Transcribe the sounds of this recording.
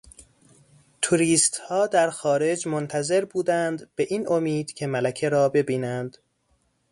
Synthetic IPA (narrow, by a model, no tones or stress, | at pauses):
t̪ʰuɾiːst̪hɒːd̪æɾxɒːɾe̞d͡ʒmont̪ʰæze̞ɾbuːd̪ænd̪b̥e̞ʔiːnʔo̞miːd̪̥cʲʰe̞mælækʰe̞ɾɒːbe̞biːnænd̪̥